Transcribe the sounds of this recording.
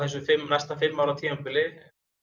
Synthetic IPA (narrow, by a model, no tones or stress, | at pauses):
θɛs̬ʏfɪmnajst̪afɪɾmːawɾat̪ʰiːmapɪlɪ